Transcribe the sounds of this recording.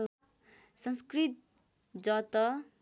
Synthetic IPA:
sʌnskrit̪̚ | d͡zʌt̪ʌ

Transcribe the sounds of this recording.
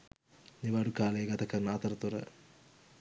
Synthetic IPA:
niʋaːɽukaːleɡɐt̪ʰɐkːɐnaːt̪ɐɾɐt̪uɾɐ̰

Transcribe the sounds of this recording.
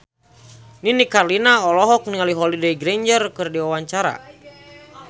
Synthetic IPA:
ninikarlinaɔlɔɦɔk̚niŋaliɦɔlidejɡɾeɲd͡ʒərkɨrdiwawaɲt͡ʃaɾa̰

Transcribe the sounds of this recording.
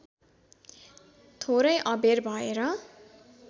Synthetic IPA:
t̪ʰoɾʌjʔʌberbʱʌeɾʌ

